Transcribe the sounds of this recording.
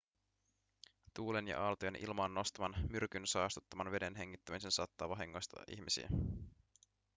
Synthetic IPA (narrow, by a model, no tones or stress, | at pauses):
t̪uːlenjɑ̰ʔɑlt̪oenʔḭlmɑːnːo̞st̪ɑmɑnmyrkynsɑːst̪u̥t̪ːɑmɑnʋe̞de̞nɦe̞ŋ̟ːit̪ːæmise̞nsɑːt̪ːɑːʋɑɦiŋːo̞jst̪ɑ̰ʔḭçmisḭæ̰